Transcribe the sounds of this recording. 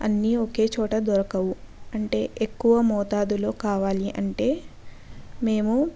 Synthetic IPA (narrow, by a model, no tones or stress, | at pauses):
ɐ̰nːioke̞ːt͡ʃɔːʈɐd̪ɔɾɐkɐwuɐɳʈe̞ːʔekːuʋɐmɔːt̪aːd̪ulo̞ːkaːʋaːliʔɐɳʈe̞ː | me̞ːmu